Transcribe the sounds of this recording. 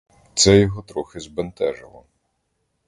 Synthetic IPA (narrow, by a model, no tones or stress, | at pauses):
t̪sɛjɔɦɔt̪ɾɔxɪzbent̪ɛʒɪ̰lˠɔ̰